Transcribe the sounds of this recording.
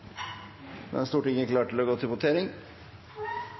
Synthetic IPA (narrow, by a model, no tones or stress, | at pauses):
mɛ̰nst̪uːʈɪŋːəkʰlɑːʈʰɪlɔɡoːt̪ʰɪlbʊt̪ʰeːɾɪŋ